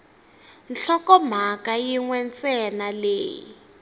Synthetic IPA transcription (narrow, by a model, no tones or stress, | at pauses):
nɬɔkɔm̤akajiŋwɛnt͡sɛnaleːjḭ